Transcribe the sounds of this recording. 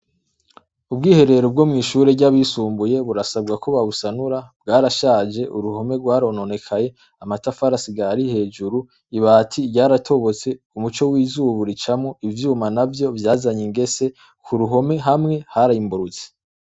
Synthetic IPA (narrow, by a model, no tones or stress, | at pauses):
ubɡiːhe̞ɾe̞ɾob̚ɡo̞mŋiːʃuɾeɾɟaβisuːmbuje̞βuɾasabɡakʰoβaβusanuɾabɡaːɾaʃaːd͡ʒe̞ʔuɾuho̞me̞ɾɡwaːɾo̞no̞ne̞kʰaje̞ | amatafaɾasiɡaɾihe̞ːd͡ʒuɾu | iβatʰiɟaːɾatʰo̞βo̞t͡se̞umut͡ʃo̞wiːzuːβuɾit͡ʃamŋoivjuːmanavjo̞vjaːzaɲiŋɡe̞se̞ | kʰuɾuɦo̞me̞ɦamŋe̞haɾaimbuɾut͡si̥